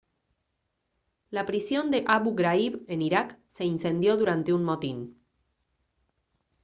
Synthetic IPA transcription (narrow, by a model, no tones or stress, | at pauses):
lapɾisjo̞nd̪eʔaβuɣɾaiβeniɾakse̞insend̪jo̞ðuɾant̪eunmot̪in